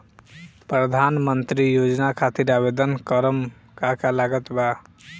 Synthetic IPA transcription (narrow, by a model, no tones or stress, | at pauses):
pɾəd̪ʱanmənt̪ɾijod͡ʒnakʰat̪iɾabed̪ənkəɾəm | kakalaɡət̪ba